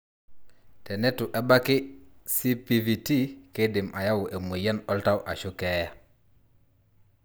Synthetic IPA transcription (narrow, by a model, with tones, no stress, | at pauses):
tɛ˨ne˦tu˨ʔe˦ba˦ki˦si˦pi˨vi˨ti˦ke˦di˨mʔa˨ja˦wu˨ʔe˨mu˨ja˦nɔ˦lta˦wʔa˨ʃu˦ke˦ja˨